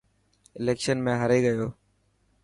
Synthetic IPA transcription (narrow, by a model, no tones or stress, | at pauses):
ɪleːkʃənmẽːɦəɾeːɡəjoː